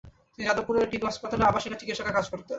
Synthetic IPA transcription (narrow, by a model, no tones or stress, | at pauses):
t̪ied͡ʑad̪opuɾeɾʈinɦɔʃpat̪aleabaʃiɾat͡ɕikit̪ːʃakakad͡ʑkoɾt̪e